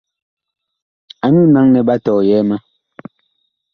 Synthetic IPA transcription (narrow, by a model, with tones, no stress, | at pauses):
a˨nu˦na˦ŋnɛ˨ba˦tɔ˨jɛ˨˦ma˦